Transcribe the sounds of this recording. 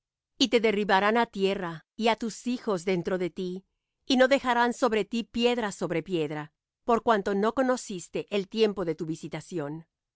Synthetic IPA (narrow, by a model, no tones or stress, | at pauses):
it̪e̞ðe̞riβaɾanat̪je̞raiat̪usixo̞zðe̞nt̪ɾo̞ðe̞t̪iː | no̞ðe̞xaɾanso̞βɾe̞t̪ipje̞ðɾaso̞βɾe̞pje̞ðɾa | po̞ɾkwant̪o̞no̞ko̞no̞sist̪e̞ʔelt̪je̞mpo̞ðe̞t̪uβisit̪asjo̞n